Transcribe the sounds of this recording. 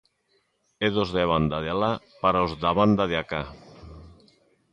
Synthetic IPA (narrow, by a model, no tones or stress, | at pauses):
eðozðeβ̞and̪aðeala | paɾaozðaβand̪aðeaka